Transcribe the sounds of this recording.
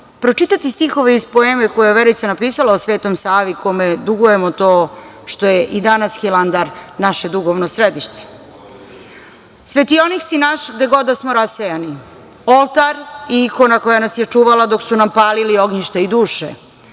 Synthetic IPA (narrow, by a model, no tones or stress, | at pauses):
pɾot͡ʃit̪at̪ist̪ixo̞ʋeispo̞emekojeeʋeɾoit̪senapiːsalaosʋe̞ːt̪o̞msaːʋikʰomed̪uɡujemo̞t̪oːʃt̪o̞jeʔid̪anasxiland̪aɾnaʃe̞d̪uɣoʋnosɾed̪iʃt̪e̥ | sʋet̪ionixsinaʃɡd̪e̞ɡo̞d̪asmo̞ɾasejani | olˠt̪aɾiiko̞nako̞janasjet͡ʂuːʋalad̪o̞ksunampaːlilio̞ɡɲiʃt̪aid̪uːʃḛ